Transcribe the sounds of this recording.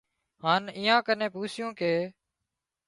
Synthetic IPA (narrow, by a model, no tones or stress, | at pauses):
haːniːãːkənẽːpuːsjõːkeː